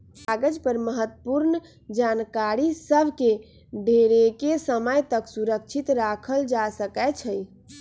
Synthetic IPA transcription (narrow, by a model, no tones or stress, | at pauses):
paɡəd͡ʒpəɾməɦət̪ːəpuɾn | d͡ʒankaɾisəbʱke | ɖʱeɾekesəməjt̪əksuɾək̚t͡ʃʰit̪ɾakʰəld͡ʒasəkɛt͡ʃʰəj